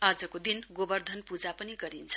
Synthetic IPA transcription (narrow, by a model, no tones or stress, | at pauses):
ad͡zʌkod̪inɡobʌrd̪ʱʌnpud͡zapʌniɡʌɾint͡sʰʌ̥